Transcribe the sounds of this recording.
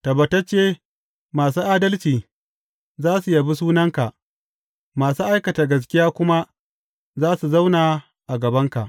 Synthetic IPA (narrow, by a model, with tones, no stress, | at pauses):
tɐ˨bɐ˨ta˦t͡ʃeː˦ | maː˨suː˦ʔaː˦dɐ˦lt͡ʃiː˨ | zaː˦su˨ja˨bi˦s̬uː˦nɐ˦ŋka˨ʔ | maː˨suː˦ʔa˦jkɐ˨ta˨ɡɐ˨s̬kʲɪ˦jaː˦kʷʊ˦ma˦ʔ | zaː˦su˨za˦wnaː˨ | ʔa˨ɡɐ˨bɐ˦ŋka˨ʔ